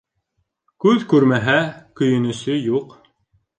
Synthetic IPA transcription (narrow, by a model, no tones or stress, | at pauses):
kʉðkʉɾmæɦækɵ̆jɵ̆nɵ̆sɵjuq